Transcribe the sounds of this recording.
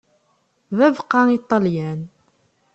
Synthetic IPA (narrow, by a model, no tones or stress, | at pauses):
ðævqɑit̪ˤːɑljæn